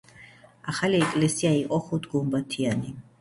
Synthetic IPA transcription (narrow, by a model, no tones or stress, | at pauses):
aχaliɛkʼlɛsiaiqʼɔχut̪ʰɡumbat̪ʰiani